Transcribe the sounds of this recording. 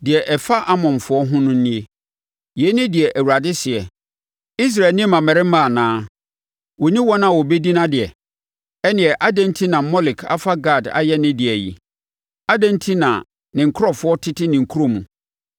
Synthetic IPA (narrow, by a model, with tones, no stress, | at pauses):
dɪ˨ɛ˨ʔɛ˨fa˦ʔa˦mɔ̃˨n˨fʊ˨˦ɔ˦ɦʊ̃˦nʊ̃˦nɪ̃˦e˦ | je˨˦nɪ̃˦dɪ˨ɛ˨ʔæ˨wu˨ɾa˨dɪ˦sɪ˨ɛ˨ | i˦s̬ɾa˨nɪ̃˦mã˨mɛ˨ɾɪ˦mã˦˨nãː˦ | wɔ˨nĩ˦wɔ˦nã˨wɔ˨be˦di˦nã˦dɪ˨ɛ˨ | ɛ˦nɪ̃˨ɛ˨ʔa˦dɛ̃˨n˦tʰi˦nã˨mɔ˦lɪ˨kʰa̰˨fa˦ɡa˦˨da̰˨jɛ˦nɪ̃˦dɪ˨ɛ˨jḭ˨ | a˦dɛ̃˦ntʰi˦nã̰˨ | nɪ̃˨ŋ̩˨kʰʊ˦ɾɔ˦˨fʊ˦ɔ˦tʰɪ˦tʰɪ˦nɪ̃˨ŋ̩˨kʰu˦ɾo˦mũ˨